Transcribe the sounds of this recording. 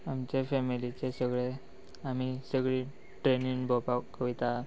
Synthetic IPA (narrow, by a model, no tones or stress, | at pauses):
amt͡ɕefemilit͡ɕesəɡɭe | am̤isəɡɭi | ʈɾeninbʱɔpakːəʋit̪a